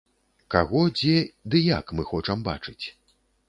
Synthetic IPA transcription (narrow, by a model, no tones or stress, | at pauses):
kaɣɔd͡zʲɛd̪ɨja̰kmɨxɔt͡ʂɐmba̰t͡ʂɨt͡sʲ